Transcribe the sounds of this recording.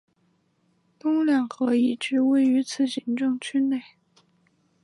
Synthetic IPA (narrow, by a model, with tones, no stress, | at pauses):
t̪ʊ˥ŋljɑ˨˩ŋxɤ˧˥i˧˩ʈ͡ʂɻ̩˧˥we˥˩ɪy˧˥t͡sʰɹ̩˥˩ɕi˧˥nʈ͡ʂɤ˥˧ŋt͡ɕʰy˥˧ne˥˩ɪ